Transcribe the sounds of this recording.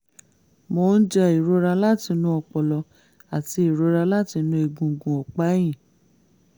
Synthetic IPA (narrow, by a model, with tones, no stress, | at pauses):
mo˧˦n̩˦d͡ʒɛ˧i˨ɾo˧ɾa˧la˦˨ti˧nũ˦ɔ˧k͡pɔ˨lɔ˧ | a˨ti˧i˨ɾo˧ɾa˧la˦ti˧nũ˧˦e˧ɡũ˧˦ɡũ˧ɔ˨k͡pa˦j̃ĩ˦˨